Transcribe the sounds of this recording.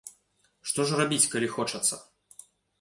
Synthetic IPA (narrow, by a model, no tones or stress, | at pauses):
ʂt̪ɔʐrabʲit͡sʲkalʲixɔt͡ʂɐt̪sːɐ